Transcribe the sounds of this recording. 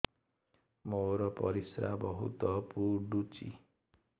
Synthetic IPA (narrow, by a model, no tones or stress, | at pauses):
moɾɔpɔɾisɾabɔɦṵt̪ɔpuɾɖut͡ʃḭ